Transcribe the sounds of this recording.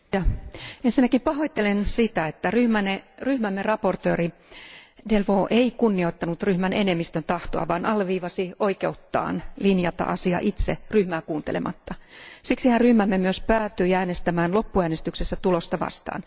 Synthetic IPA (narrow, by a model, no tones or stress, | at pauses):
jɑensinːækimpɑhoit̪ːelensit̪æet̪ːæryhmæneryhmæmːerɑport̪øːri | delʋoːʔeikunːio̞it̪ːɑnut̪ryhmænenemːist̪ønt̪ɑht̪oɑ̰ʋɑːnʔɑlːʋiːʋɑsioikeut̪ːɑ̰ːnlinjɑt̪ɑ̰ʔɑsiɑ̰ʔit̪seryhmæːkuːnt̪elḛmʔɑ̰t̪ːɑsiksihænryhmæmːemyøspæːt̪yiæːnest̪æmæːnlopːuæːnest̪yksesːæt̪ulost̪ɑʋɑ̰st̪ɑ̰ːn